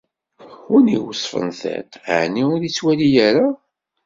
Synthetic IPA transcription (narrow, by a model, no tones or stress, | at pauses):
ʊnḭwsˤfə̰nθɛ̰tʕniʊɾit͡sːwælijæɾa